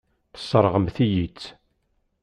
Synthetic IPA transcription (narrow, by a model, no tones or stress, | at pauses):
θə̥sˤːəɾˤʁəmθijit͡sː